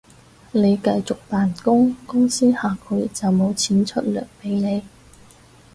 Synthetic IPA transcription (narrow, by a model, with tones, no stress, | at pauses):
ne˨˧jkɐ˧jt͡sʊ˨k̚t̪aː˨nkʊ˥ŋkʊ˥ŋsiː˥haː˨kʰɵ˨˧ɥt͡sɐ˨wmo˨˧wt͡sʰiː˨˥nt͡ʃʰɵ˥t̚lœ̰ː˨˩k̚pe˨˥jne˨˧j